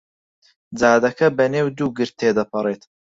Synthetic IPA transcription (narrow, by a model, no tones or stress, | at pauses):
d͡zaːd̪ɐkʰɐbɐneːwd̪uːɡɨɾt̪̚ʰːeːd̪ɐpʰɐreːt̪